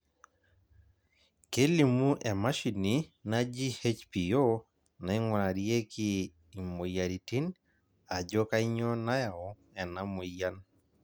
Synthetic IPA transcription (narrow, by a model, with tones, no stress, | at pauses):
ke˦li˨mu˦ʔɛ˨ma˦ʃi˨ni˨na˦d͡ʒi˦he˦t͡ʃpi˨o˦ | na˨i˦ŋwa˨na˨ɾje˦kiː˦˨ | mo˨ja˨ɾi˨ti˦n | a˨d͡ʒɔ˦ka˦i˦ɲɔ˦na˦ja˨ɔ˨˦ | ɛ˨na˨˦mo˨ja˦n